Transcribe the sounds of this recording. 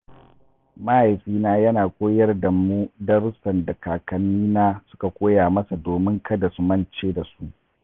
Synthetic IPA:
mɐ˦ha˨jɸiː˦naː˦jɐ˦naː˨kʷoː˦jɐ˦rdɐ˨mːu˦dɐ˦ɾʊ˦sɐ˨ndɐ˨kaː˨kɐ˨nːiː˦naː˦sʊ̥˦ka˨kʷoː˦jaː˨mɐ˦sa˨doː˨mɪ˦ŋkʰɐ˦da˨su˨mɐ˦nt͡ʃeː˦da˨su˦ʔ

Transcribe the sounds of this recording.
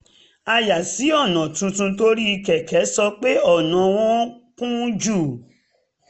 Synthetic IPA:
a˧ja˨si˨˦ɔ˦˨nã˨tũ˧tũ˧to˦ɾi˦i˧kɛ˨kɛ˨˦sɔ˧k͡pe˦ɔ˦˨nã˨˦w̃ɔ̃˦kũ˦d͡ʒuː˦˨

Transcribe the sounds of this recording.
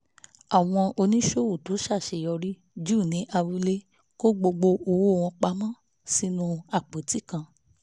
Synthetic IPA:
a˨w̃ɔ̃˧ʔo˧nĩ˦ʃo˦˨wo˨tu˨˦ʃa˦˨ʃe˧˨jɔ˧ɾi˦ | d͡ʒu˦˨nĩ˨˦ʔa˧wu˧˦le˦ | ko˦ɡ͡bo˧ɡ͡bo˧o˧wo˦˨w̃ɔ̃˧k͡pa˧˦mã˦ | si˦nũ˧a˨k͡po˨˦ti˦˨kã˧

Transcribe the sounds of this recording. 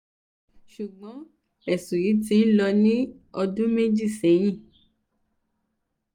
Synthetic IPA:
ʃu˨ɡ͡bɔ̃˨˦ | ɛ˨sũ˨ɾi˨˦tĩ˧˦n̩˦lɔ˧nĩ˦ɔ˧dũ˦me˦d͡ʒi˦˨sẽ˨˦j̃ĩ˦˨

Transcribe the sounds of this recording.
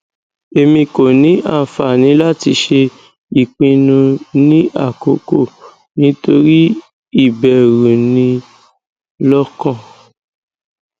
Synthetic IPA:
e˧mĩ˧ko˨nĩ˨˦ʔa˦˨fa˨nĩ˨˦la˦ti˧ʃe˧ | i˦˨k͡pĩ˧nũ˧nĩ˦ʔa̰˦˨ko˨˦ko˦˨ | nĩ˨˦to˧ɾi˦ | i˦˨bɛ˨ɾũ˨nĩ˧ | lɔ˦kɔ̃˦˨

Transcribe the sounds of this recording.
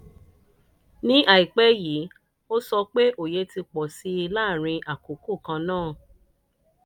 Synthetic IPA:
nĩ˦ʔa˨i˨k͡pɛ˦jiː˨˦ | o˦sɔ˧k͡pe˦ʔo˨je˧˦ti˧k͡pɔ˨si˨˦i˧laː˦˨ɾ̃ĩ˧ʔa˨ko˨ku˦˨kã˧nãː˦˨

